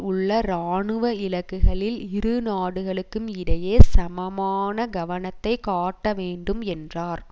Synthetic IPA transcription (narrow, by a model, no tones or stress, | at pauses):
ʊɭːɐɾaːɳɯʋɐɪlɐkːɯɣɐɭɪlɪɾɯnaːɽɯɣɐɭɯkːɯmɪɽɐjeːsɐmɐmaːnɐɡɐʋɐnɐt̪ːɐɪkaːʈːɐʋeːɳɖɯmɛndraːɾ